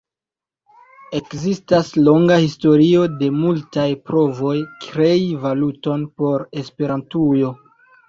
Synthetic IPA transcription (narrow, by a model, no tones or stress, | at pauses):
e̞kzistaslo̞ŋɡahisto̞ɾio̞de̞multajpɾo̞vo̞jkɾe̞ivaluto̞npo̞ɾe̞spe̞ɾantujo̞